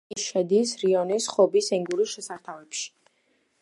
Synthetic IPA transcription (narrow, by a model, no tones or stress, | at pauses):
ʃɛd̪isɾiɔnisχɔbisɛŋɡuɾisʃɛsaɾt̪ʰavɛpʃi̥